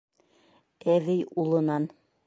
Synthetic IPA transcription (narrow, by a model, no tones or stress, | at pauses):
æðɘjulˠɤ̆nɑn